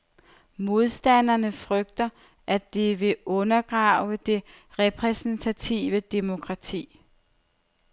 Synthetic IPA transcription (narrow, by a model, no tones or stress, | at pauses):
mo̝ð̞ˠsd̥æn̰ɐnəfʁœɡ̥̚d̥ɐ | ʔæd̥eʋe̝ʔɔ̽nɐɡ̥ʁɑ̈ʊ̰əd̥e̝ | ʁɛpʰʁɛsn̩t͡sʰæt͡sʰḭːʋəd̥e̝mo̝kʰʁɑ̈t͡sʰḭː